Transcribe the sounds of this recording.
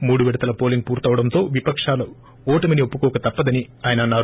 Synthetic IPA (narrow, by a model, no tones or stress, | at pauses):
muːɽuʋɛɽɐt̪ɐlɐpo̞ːliŋɡ̚puːɾt̪ɐʋɐɽɐnt̪o̞ːʋipɐkʂaːlɐ | ɔːʈɐmɐniopːukɔːkɐt̪ɐpːɐd̪ɐni | aːjɐnɐːnːaːɾ